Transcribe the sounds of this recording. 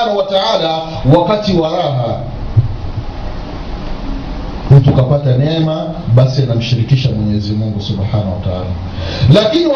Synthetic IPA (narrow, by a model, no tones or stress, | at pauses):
anawataala | wakatiwaɾaɦa | nitukapatanɛma | ɓasianam̩ʃiɾikiʃamwɛɲɛɛzimuŋɡusubħanawataaːla | lakini